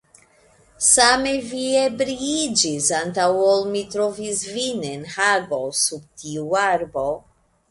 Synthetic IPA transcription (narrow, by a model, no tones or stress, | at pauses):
sameviebɾiid͡ʒisantawolmitɾovisvinenhaɡosub̚tʰiuaɾbo